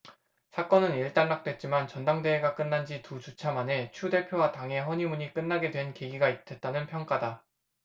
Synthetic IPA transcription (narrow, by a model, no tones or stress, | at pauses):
sʰak͈ʌnɯniɭt͈anːak̚t͈we̞t̚t͡ɕ͈imant͡ɕʌndaŋde̞ːɡak͈ɯnːand͡ʑitud͡ʑut͡ɕʰamane̞t͡ɕʰude̞pʰjowataŋɦe̞ɦʌɲimuɲik͈ɯnːaɡe̞dwe̞nkeɡiɡaitʰe̞t̚t͈anɯnpʰjʌŋk͈ada